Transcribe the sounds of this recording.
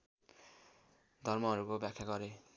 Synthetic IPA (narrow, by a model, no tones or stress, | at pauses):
d̪ʱʌrmʌɦʌɾukobjakʰːjaɡʌɾe